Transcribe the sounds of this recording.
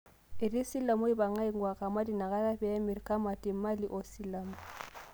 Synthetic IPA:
ɪ˨di˦si˦la˨mʊ˦ɪ˦ba˨ŋa˦i˦ŋ̩˦wa˨ɣa˨ma˦di˨na˨ɣa˦ra˦bɛ˨a˦mɪ˨rikʼa˦ma˨tʼi˨˦ma˦li˦ʔɔ˨si˦la˨mʊ

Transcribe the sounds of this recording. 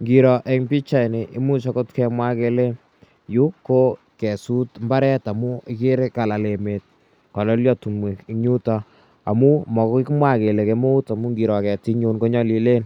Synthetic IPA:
ŋɡi˨ɾɔ˨ʔɛ˨ŋpi˦t͡ʃa˦˨jne˨ʔɪ˦mu˦t͡ʃɔ˦ko˦tkɛ˦mwa˦ke˦le˦n | ju˦ko˦ | kɛ˨su˦tmba˦ɾɛ˦ta˨mu˦ɪ˦kɪ˦ɾe˦ka˨la˨le˨me˨t̚ | kɔ˨lɔ˦ljɔ˦tu˨mwe˨kɲu˦ta˦ | a̰˨mu˦mɔ˨ko˦ki˦kmwa˦ke˨le˨ke˦mo˦u˦ta˨mu˦ŋɡi˨ɾɔ˨kɛ˨ti˦ɲu˦nko˦ɲɔ˦li˨le˦n

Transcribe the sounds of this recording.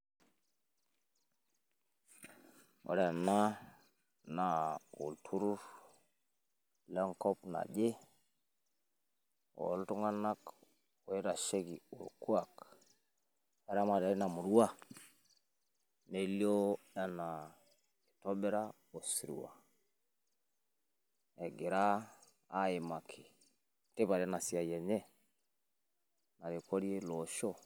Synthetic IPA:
o̰˨ɾa˨na˦ | na˨ṵ˨ltʰu˦ɾu˦ɾ | la˦ŋko˦pna̰˨ɟe˦ | o̰˨˦˨ltu˦ŋɡa˦na˦k | o˨i˦ɾa˨ʃe˦ɡi˨u˨lku˦a˨k | a˨ɾa˦ma˨ɾa˨ɾe˦na˨mu˨ɾwa˦˨ | ne˨˦ljɔ˦ | a˦na˨ | e˨tɔ˦bɛ˦ɾa˦ | o˨si˨ɾḭ˨wa̰˨ | ɛ˨ɡe˨ɾaː˦ | e˨ma˨kʰe˨ | te˦βa˨ɾɛ˦na˨sja˨jɛ˨ɲɛ˦ | na˨ɾe˨kʰɔ˦ɾi˦e˦lɔʃɔ˦

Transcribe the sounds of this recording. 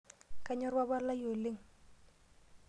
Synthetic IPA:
ka˦ɲɔ˦ɾwa˦ba˦la˦jo˨le˦˨ŋ̩

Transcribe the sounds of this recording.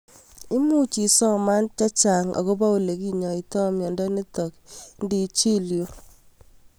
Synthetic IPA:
ɪ˦mu˦t͡ʃi˨sɔ˦ma˦nt͡ʃa˦t͡ʃa˨ŋʔa̰˨ko˦ba˦o˨le˨ki˦ɲɔ˨i˨tɔ˦˨mjɔ˨ndɔ˦ne˦tɔ˨kndi˦t͡ʃi˦ljo˦

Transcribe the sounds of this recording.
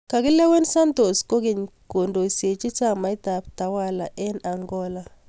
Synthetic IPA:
ka˨kɪ˦lɛ˦wɛ˦nsa˦nto˨sko˦ɡɪ˨ɲko˨ndo˨i˨se˨t͡ʃi˦t͡ʃa˦ma˨i˦ta˨p̚ta˨˦wa˦la˨ʔɛ˦na˨ŋɡɔ˦la˦

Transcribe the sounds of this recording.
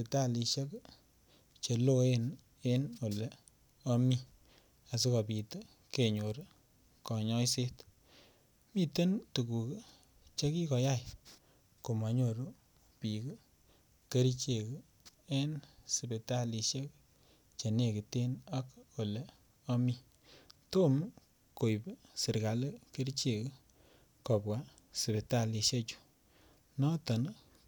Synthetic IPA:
pe˨ta˦li˨˧ʃe˦k | t͡ʃe˨lo˦e˦n | e˦no˨le˨ | o˦mi˦ | a˨s̬i˦ka˨pi˨t | ke˨ɲo˨ɾ | kɔ˨ɲɔ˦jse˦t | mi˦te˦ntu˨ku˨k | t͡ʃe˦ki˦kɔ˨ja˦˨j | ko˨ma˨ɲo˨ɾo˦ | pi˨k | ke˦ɾi˦t͡ʃe˨k | ɛ˦nsi˨be˨ta˦li˨ʃe˦k | t͡ʃe˨ne˦˨ki˨te˦nɔ˦ko˨le˨ | ɔ˦mi˦ | to˦m | ko˨jbsɪ˨ɾka˨le˦ke˦ɾt͡ʃe˨k | kɔ˨pwa˦ | si˨be˨ta˦˨li˨ʃe˦t͡ʃu̥˦ | nɔ˦tɔ˨n˦

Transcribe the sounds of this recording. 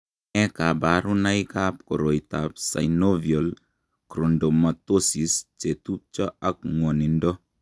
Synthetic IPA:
ɛ˦ka˨baɾu˦na˦ikap̚ko˨ɾo˨itapsa̰˨jnovjol | kɾo˨ndo˨ma˨t̪osi˨st͡ʃe˨tu˦p̚t͡ʃɔ˦a˨k̚ŋwo˨ni˨ndo˦

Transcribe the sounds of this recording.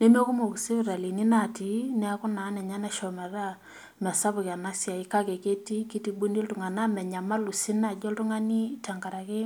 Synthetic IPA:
ne˦mo˦ku˦mo˨ki˨se˦ɾa˨li˨ni˦na˦˨ti˨nɛ˦a˦kʊ˦na˨˦nɛ˨ɲa˦na˦ʃɔ˨mɛ˨ra˦ | mɛ˨sa˦pʊ˨ka˨na˦sja˨ɪ˦ka˦kɛ˨ke˦ti˦ki˦ti˦ɓu˦ni˦ltʊ˨ŋa˨na˦mɛ˨ɲa˨ma˦lu˨sɪ˦na˦˨d͡ʒɔ˦ltʊ˦ŋa˦ni˦ta˨ŋɡa˨ɾa˨kɪ˦

